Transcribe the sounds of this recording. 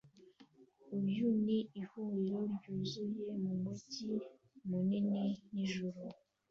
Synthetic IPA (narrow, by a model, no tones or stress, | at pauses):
ubjuniihuiɾoɾɟuzujemuŋoci | munininiʒuɾu